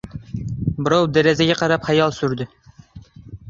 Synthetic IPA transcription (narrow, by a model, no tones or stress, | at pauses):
bɨɾɑwd̪æɾɛzɛɡʲɛqɑɾɑpχɑjɑlˠsyɾd̪ɪ